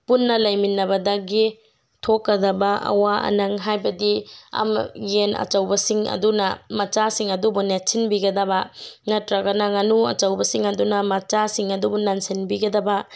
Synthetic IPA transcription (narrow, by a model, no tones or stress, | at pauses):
punːɐlɐjminːɐbɐdɐɡi | tʰokːɐdɐbɐʔɐ̰waɐ̰nɐŋɦajbɐdiɐ̰mɡenɐ̰t͡ʃɐwbɐsiŋɐ̰dunɐmɐt͡ʃasiŋɐdubunetsinbiɡɐdɐbɐŋɐtɾɐɡɐnɐŋɐnuɐ̰t͡ʃɐwbɐsiŋɐdunɐmɐt͡ʃasiŋɐdubunansinbiɡɐdɐbɐ